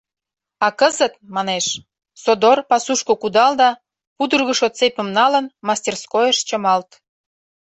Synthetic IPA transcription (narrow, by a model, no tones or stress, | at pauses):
ɑkəzət̪̚mɑneʃ | sod̪orpɑsuʃkokud̪ɑld̪ɑ | pud̪urɣəʃot̪t͡sepə̆mnɑlənmɑsʲt̪ʲerskojəʃt͡ɕə̆mɑlt̪